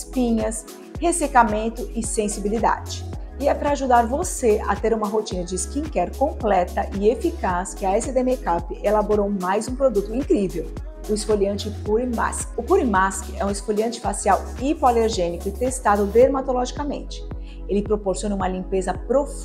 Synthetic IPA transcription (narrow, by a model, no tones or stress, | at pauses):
spĩɲɐs | hesekamẽnt̪ʊɪsẽsibilid̪a̰d͡ʒɪ | ɪɛpɾɐaʒud̪aɾvoseɐ̰t̪eɾũmɐɦot͡ʃĩnɐd͡ʒɪskĩŋkɛɾkõmplɛt̪ɐʔɪefikaskɪɐɛsɪd̪emekapɪelaboɾowmajzũpɾod̪ut̪ʊĩŋkɾivew | ʊɪsfolɐ̃nt͡ʃɪpuɾima̰skʊpuɾĩmaskɛũɪskoliɐ̃nt͡ʃɪ̥fasiaw | ipoaleɾʒẽnikʊɪt̪est̪ad̪ʊd̪eɾmat̪olɔʒikɐmḛ̃nt͡ʃɪ̥ | elɪpɾopoɾsiõnɐũmɐlĩmpezɐpɾof